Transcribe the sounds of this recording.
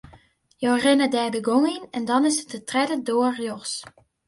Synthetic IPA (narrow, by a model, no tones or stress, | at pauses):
joːrɪnədɛːbəɡoŋinɛndɔnɪsətətrɛdədoərjoxs